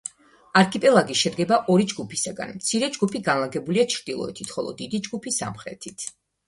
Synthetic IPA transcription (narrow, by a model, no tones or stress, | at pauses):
aɾkʰipʼɛlˠaɡiʃɛd̪ɡɛbaʔɔɾid͡ʒɡupʰisaɡa̰nmt̪sʰiɾɛd͡ʒɡupʰiɡanlˠaɡɛbuliat͡ʃʰɾd̪̥ilˠɔ̰ɛt̪ʰit̪ʰχɔlˠɔ̰d̪id̪id͡ʒɡupʰisa̰mχɾɛ̰t̪ʰit̪ʰ